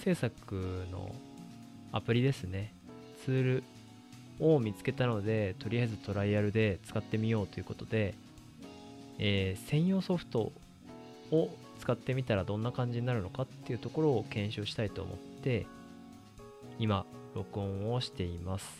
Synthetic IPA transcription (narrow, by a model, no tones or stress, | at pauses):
se̞ːsakɯ̟no̞̰ | a̰pɯ̟ɾʲid̪e̞sɨne̞ | t͡sɨːɾɯ̟ | omʲit͡sɨ̥ke̞t̪ano̞d̪e̞t̪o̞ɾʲijaizɨt̪o̞ɾaiaɾɯ̟d̪e̞t͡sɨ̥kat̪ːe̞mʲijo̞ːt̪o̞iɯ̟ko̞t̪o̞d̪e̞ | eːsẽ̞ɰ̃jo̞ːso̞ɸɯ̟̥t̪o̞̰ː | t͡sɨ̥kat̪ːe̞mʲit̪aɾad̪õ̞nːakãɲ̟d͡ʑiɲinaɾɯ̟no̞kat̪ːe̞iɯ̟t̪o̞ko̞ɾo̞ːkẽ̞ɰ̃ɕoːɕi̥t̪ait̪o̞̰ːmʔo̞̰t̪ːe̞ | imaɾo̞kɯ̟õo̞ɕi̥t̪e̞imasɨ̥